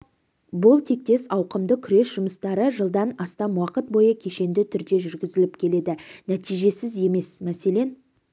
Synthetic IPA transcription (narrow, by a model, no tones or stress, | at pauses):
bʊlˠt̪ʰe̞k̚t̪e̞sɑwqəmd̪əkʲʰʏɾe̞sʒ̥ʊməst̪ɑɾəʒəlˠd̪ɑnɑst̪ɑnwɑqət̪̚bo̞jəkʲʰe̞ʃe̞nd̪ɪt̪ʰʏɾd̪e̞ʒʏɾɡʲɪzɪlɪpkʲʰe̞le̞d̪ɪnæt̪ijʒe̞sɪze̞me̞smæse̞le̞n